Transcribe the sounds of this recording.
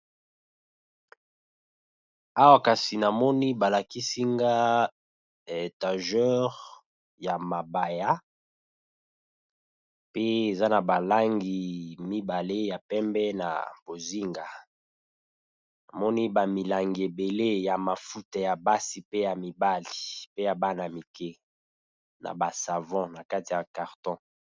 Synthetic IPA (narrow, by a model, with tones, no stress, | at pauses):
a˦wa˦ka˨si˨na˨mɔ˦ni˦ba˨la˨ki˦si˦ŋɡa˦ | e˨ta˨ʒɛ˦ʁ | ja˨ma˨ba˨ja˦ | pe˦e˨za˦na˨ba˨la˦ŋɡi˨mi˦ba˨le˦ja˨pɛ˦mbɛ˦na̰˨b̥o˨zi˦ŋɡa˨ | na˨mɔ˦ni˦ba˨mi˨la˨ŋɡi˨e˨be˨le˦ja˨ma˨fu˦ta˨ja˨ba˦si˨pe˦ja˨mi˨ba˦li˨pe˦ja˨ba˦na˨mi˨kɛ˦ | na̰˨ba˨sa˨vɔ̃˦na˨ka˦ti˨ja˨ka˨ʁtɔ̃˦